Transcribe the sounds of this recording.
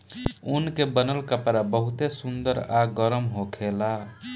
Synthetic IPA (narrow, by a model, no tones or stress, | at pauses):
unkebənəlkəpɾabəɦut̪esund̪əɾaɡəɾəmɦokʰela